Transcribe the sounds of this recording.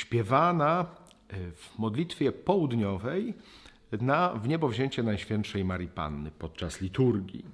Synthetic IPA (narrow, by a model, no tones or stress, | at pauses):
ɕpʲjɛvana | vmɔd̪lʲit̪fʲjɛpɔwud̪ɲɔvɛj | navɲɛbɔvʑeɲt͡ɕɛnajɕfʲjɛnt̪ʂɛjmaɾʲipa̰nːɘpɔt̪̚t͡ʂaslʲit̪uɾɡʲḭ